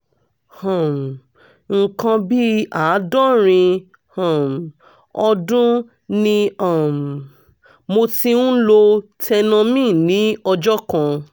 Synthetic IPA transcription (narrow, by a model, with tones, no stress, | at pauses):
hã˨m˨ | ŋ̩˨kã˧bi˦a˨˦dɔ˦ɾ̃ĩ˧ | hã˨m | ɔ˧dũ˦ | nĩ˧a˦˨m | mo˧ti˧ũ˦lo˧tɛ˧nã˧mĩ˦˨nĩ˨˦ɔ˧d͡ʒɔ˦kã˧